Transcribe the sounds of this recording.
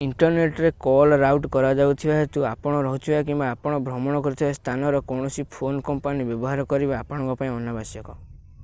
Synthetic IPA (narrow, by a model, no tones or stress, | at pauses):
iɳʈɔɾneʈɾekɔlɾawʈkɔɾad͡ʒawt̪ʰibaɦet̪uapɔɽ̃ɔɾɔɦut̪ʰibakimbaːpɔɽ̃ɔbʱɾɔmɔɽ̃ɔkɔɾut̪ʰibast̪ʰanɔɾɔkɔwɽ̃ɔsipʰonɔkɔmpanibjɔbɔɦaɾɔkɔɾibaːpɔɽ̃ɔ̃ŋkɔpaĩɔnːabasjɔkɔ